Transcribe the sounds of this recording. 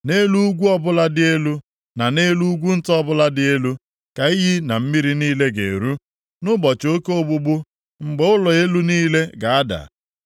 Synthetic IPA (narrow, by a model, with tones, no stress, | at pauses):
ne˦lu˦ɡʷu˦ɔ˦bʊ˦la˦dɪ˦e˦lu˦ | na˨ne˦lu˦ɡʷu˦n̩˦tɔ˦bʊ˦la˦dɪ˨e˦lu˦ | ka˨i˦ɦi˦na˨m̩˦mi˦ɾi˦niː˦le˦ɡḛ˨ɾu˦ | nʊ˦bɔ˨t͡ʃo˦ke˦o˦˨bʊ˦ɡ͡bʊ˦ | ŋ͡m̩˨ɡ͡be˨ʊ˦lɔ˨e˦lu˦niː˦le˦ɡa˨a˦da̰˨